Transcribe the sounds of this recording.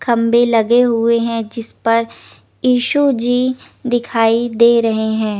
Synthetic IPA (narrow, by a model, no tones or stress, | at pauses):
kʰɐ̃mbelɐɡeɦʊeɦɛ̃d͡ʒɪspɐɾ | jiːʃud͡ʒiː | d̪ɪkʰaːid̪eːɾɐɦeɦɛ̃ː